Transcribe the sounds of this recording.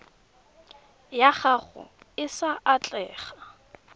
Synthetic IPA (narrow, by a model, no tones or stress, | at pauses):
jaχaχʊ̰ | ɪsaʔat͡ɬʼɛːχa